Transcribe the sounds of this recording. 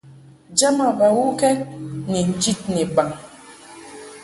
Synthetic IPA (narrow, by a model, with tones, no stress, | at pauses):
d͡ʒa˦ma˨ba˨wu˦kɛ˦ni˨n̩˨d͡ʒi˦t̚nɛ˨ba˨ŋ